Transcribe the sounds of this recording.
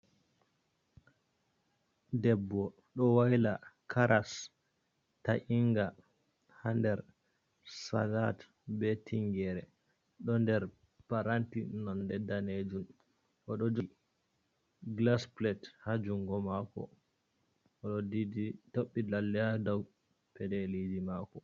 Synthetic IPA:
dɛbːɔ | ɗɔwajlakʰaɾʔas | taʔiŋɡa | handɛɾ | sa̰lat | bɛtʰiŋɡɛɾɛ | ɗɔndɛɾ | paɾantinɔndɛdaned͡ʒun | ʔɔɗɔd͡ʒi | ɡlasplɛthad͡ʒuŋɡɔmakɔ̰ | ʔɔɗɔdiditoɓːilalːɛadaw | pɛdɛlidimakɔ

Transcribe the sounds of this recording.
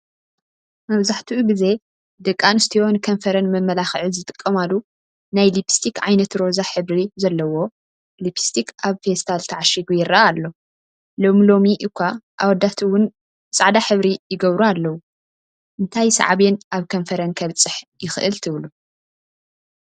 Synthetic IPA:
mɐβzaħt̪ʰiʔuɡize̞ | d̪ɨkʼːanɨst̪ʰijo̞nkʰɐnfɐɾɐnmɐmːɐlaxʕɨzɨt̪ʼɨkʼːɐmalu | najlipʰst̪ʰikʕajnɐt̪ɾo̞zaħɨβɾizɐlːɐwo̞ | lipʰi̥st̪ʰikaβfest̪ʰalt̪ʰɐʕaʃiɡujɪɾɐʔaalːo̞ | lo̞milo̞miʔɨkʰʷːaʔawɔd̪ːat̪ʰwʊn | sʼaʕd̪aħɨβɾijɪɡɐβɾualːɐwu | ʔɨnt̪ʰajsɐ̰ʕaβenʔaβkʰɐnfɐɾɐnkʰɐβt͡sʼɨħjɪxɨʔɨlt̪ʰɨβlu

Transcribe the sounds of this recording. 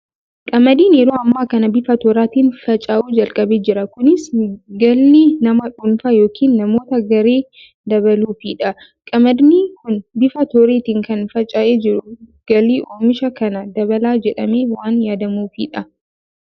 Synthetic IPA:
kʼɐmɐd̪iːnɛɾoːɐmːaːkɐnɐbɪfɐt̪ɔːɾaːt̪iːnfɐt͡ʃʼaːʔuːd͡ʒɐlkʼɐbeːd͡ʒɪɾɐkʊnɪsɡɐlnɪnɐmɐᶑʊnfɐjo̞ːkʰiːnːɐmo̞ːt̪ɐɡɐɾeː | d̪ɐβɐluːfiːᶑɐ | kʼɐmɐd̪nikʊnbɪfɐt̪oɾeːt̪iːŋkɐnfɐt͡ʃʼaːʔeːd͡ʒɪɾʊɡ̥ɐliːʔoːmɪʃɐkɐnɐd̪ɐβɐlaːd͡ʒɛᶑɐmeːwaːnjaːd̪ɐmuːfḭːᶑɐ

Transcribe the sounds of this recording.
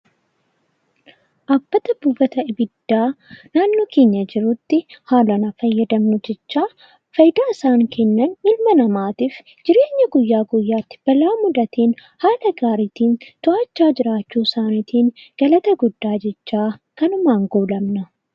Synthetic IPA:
ʔɐbːɐt̪ɐbubɐt̪ɐɪbɪd̪̥ːaːnaːnːoːkeːɲːɐd͡ʒɪɾʊt̪ːɪhaːlɐnɐfɐjːɐd̪ɐmnʊd͡ʒɛt͡ʃːaː | fɐjɪd̪aːɪsaːŋkʰɛnːɐnmɪlmɐnɐmaːt̪iːf | d͡ʒɪɾe̞ːɲːɐɡʊjːaːɡʊjːaːt̪ːɪ̥b̥ɐlaːmʊd̪ɐt̪iːnhaːlɐɡaːɾiːt̪iːnt̪ʊʔaːt͡ʃːaːd͡ʒɪɾaːt͡ʃːuːsaːnit̪ʰiːnɡ̥ɐlɐt̪ɐɡʊd̪ːaːd͡ʒɛt͡ʃːaːkɐnʊmaːŋɡoːlɐmnɐ

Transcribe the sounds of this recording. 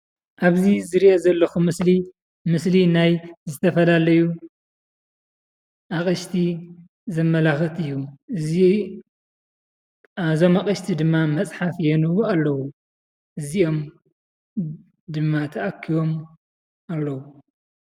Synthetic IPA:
ʔaβzizɨɾiʔozɐlːɐxumɨsli | mɨslinajzɨt̪ʰɐfɐlalɐju | ʔakʼɐʃt̪ʰi | zɐmːɐlaxɐt̪ɨjːuɨzi | ʔazo̞makʼɐʃt̪ʰid̪ɨmːamɐt͡sʼħafjɛnɨwualːɐwu | ʔɨzio̞m | d̪ɨmːat̪ʰɐʔakʰːiβo̞m | ʔalːɐwu

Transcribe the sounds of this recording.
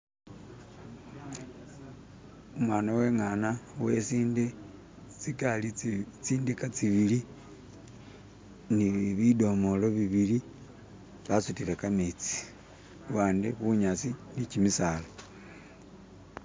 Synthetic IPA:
umwaːnawe̞ŋanawesinde | t͡sikalit͡siːndikat͡siβili | niβido̞moloβiβili | βasutilekamit͡si̥ | waːndeβuɲat͡sinicimisala

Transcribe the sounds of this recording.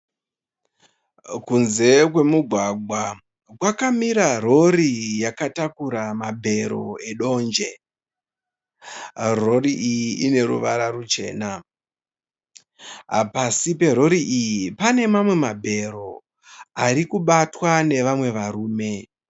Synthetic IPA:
kunze̞kwe̞muɡʱwaɡʱwa | kwakamiɾaro̞rijakatakuɾamabʱe̞ɾo̞̰e̞ɗo̞ːnd͡ʒe̞ | ro̞riʔijiine̞ɾṵʋaɾarut͡ʃe̞̰ːna | ɦa̰pasipe̞ɾo̞ɾiʔijipane̞mamwe̞mabʱe̞ɾo̞ | aɾikuɓatwane̞ʋamwe̞ʋaɾuːme̞

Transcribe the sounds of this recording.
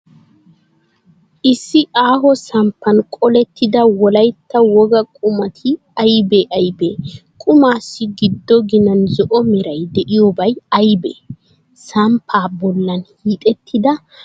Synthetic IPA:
ʔɪsːɪʔaːɦɔsɐmpːɐnkʼɔlɛt̪ːɪd̪ɐwɔlɐjt̪ːɐwɔɡɐkʼʊmɐt̪ʰɪ | ɐjbeʔɐjbeːkʼʊmaːsːɪɡɪd̪ːɔɡɪnɐnzɔʔɔmɪɾɐjd̪ɛʔɪjɔbɐjɐjbḛː | sɐmpʰaːbɔlːɐnhiːt̪ʼɛt̪ʰːɪd̪ɐ

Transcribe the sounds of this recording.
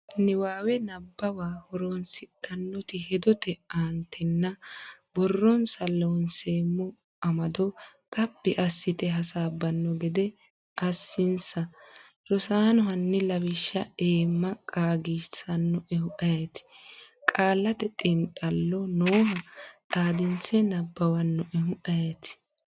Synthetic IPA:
nɪwaːwɛnɐbːɐwaːhɔɾonsɪᶑɐnːɔt̪ɪhɛd̪ɔt̪ɛaːnt̪ʰːɛnːɐbɔrːɔnsɐlːonseːmːɔ | ɐmɐd̪ɔt̪ʼɐbːɪʔɐsːɪt̪ɛɦɐsaːbɐnːɔɡɛd̪ɛ | ʔɐsːɪnsɐ | ɾɔsaːnɔɦɐnːɛlɐwɪʃːɐeːmːɐkʼaːɡisɐnːɔʔɛhʊʔɐjɐt̪ɪ̥kʼaːlːɐt̪ɛt̪ʼɪnt̪ʼɐlːɔnoːhɐt̪ʼaːd̪ɪnt͡sɛnɐbːɐwɐnːɔʔɛɦʊʔɐjɛt̪ɪ̥

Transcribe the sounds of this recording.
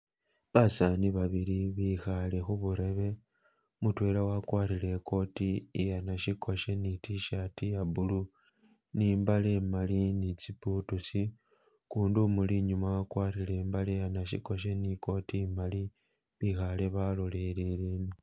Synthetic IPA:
βasaniβaβiliβixale̞xuβuɾe̞βe̞ | mutwe̞lawakwaːɾile̞ko̞tiːjanaʃiko̞ʃe̞nitiʃatijabulu | niːmbalemalinit͡siputusi | kuːndumuliɲumawakwaːrile̞ːmbalijanaʃḭko̞ʃ̬e̞niko̞tiːmali | βixale̞βalolelelini

